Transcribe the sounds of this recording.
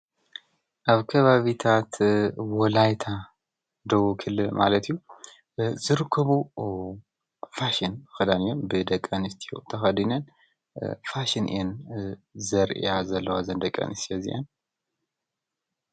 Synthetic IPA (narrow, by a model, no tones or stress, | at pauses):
ʔaβkʰɐβaβit̪ʰat̪wɔlajt̪ʰa | d̪owukʰɨlːɨlmʔa̰lət̪juw | zɨɾɨkʰːəβu | faʃinxɐd̪anjombɨd̪ɐkʼːɐnɨst̪ʰijo̰t̪ʰəxɐd̪inɐn | faʃɪnʔḭjɛn | zɐɾ̰jazɐlːɐwazɐnd̪ɐkʼːɐ̰nɨst̪jazḭʔa̰n